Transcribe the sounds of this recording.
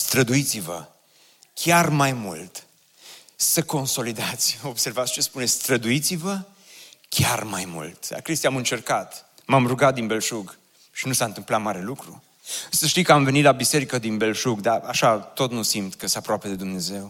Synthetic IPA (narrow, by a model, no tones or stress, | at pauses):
st̪ɾəd̪uit̪sivə̰ | kʲarmajmṵlt̪ | səko̞nso̞lid̪at̪sʲobse̞rvat̪sʲt͡ʃe̞spunesʲst̪ɾəd̪uit̪sivə | kʲʰarmajmṵlt̪a̰kɾist̪iamɨnt͡ʃe̞rkat̪ | mamruɡat̪̚d̪inbe̞lʃuɡ | ʃinusaɨnt̪ɨmplat̪maɾe̞lukɾu | ɨsəʃt̪ijkəamve̞nit̪labise̞ɾikəd̪inbe̞lʃuɡd̪aaʃat̪o̞t̪nusimt̪kəst̪eapɾoape̞d̪e̞d̪umne̞ze̞w